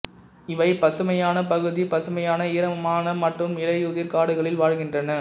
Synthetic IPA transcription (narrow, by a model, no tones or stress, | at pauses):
ɪʋɐɪpɐsɯmɐjaːnɐpɐɣɯðipɐsɯmɐjaːnɐiːɾɐmaːnɐmɐʈrɯmɪlɐɪʊðɪɾkaːɽɯɣɐɭɪlʋaːɻɣɪndrɐnɐ